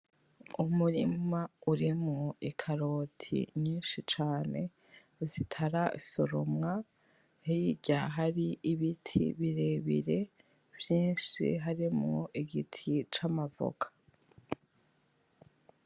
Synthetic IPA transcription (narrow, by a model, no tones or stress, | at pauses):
umuɾimauɾimŋoikʰaɾoːtʰḭɲiːnʃit͡ʃaːne̞ | zitʰaɾaisoɾomŋa | hiɟaɦaɾiʔiβitʰḭβiɾe̞βḭɾe̞ | vjiːnʃḭɦaɾimŋoʔiɡitʰit͡ʃamavo̰kʰḁ